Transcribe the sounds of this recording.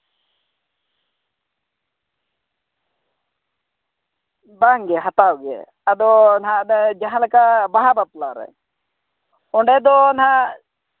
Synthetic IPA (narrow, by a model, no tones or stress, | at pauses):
baŋɡɛɦat̪awɡɛ̰ | ad̪ɔnad͡ʒaɦãlakabaɦabat̪laɾɛ̰ | ɔɳɖɛd̪ɔnɦã